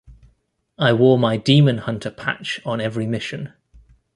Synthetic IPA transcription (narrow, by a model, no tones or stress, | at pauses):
aɪwɔːmaɪdiːmə̃nhʌ̃ntʰəpʰa̰t͡ʃn̩ɛvɹimɪʃə̃n